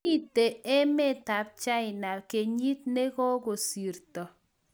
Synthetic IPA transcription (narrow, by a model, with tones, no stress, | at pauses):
i˦te˨ɛ˦mɛ˦˨ta˨p̚t͡ʃa˦ɪ˨na˨lke˨ɲi˦t̚ne˦kɔ˦ko˨si˨rtɔ˨